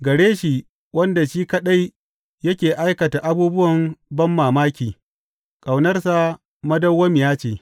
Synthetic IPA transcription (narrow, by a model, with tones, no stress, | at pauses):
ɡɐ˨ɽeː˦ʃi˨ | wɐ˦nda˨ʃiː˦kɐ˦ɗa˦j | jɐ˦kʲeː˨ʔa˦jkɐ˨ta˨ʔa˦buː˦bʊ˦wɐ˨mbɐ˦mːaː˨maː˦kʲiː˨ | kʼa˨wnɐ˦rsa˨ | mɐ˦dɐ˦wːɐ˦m˨jaː˦t͡ʃeː˨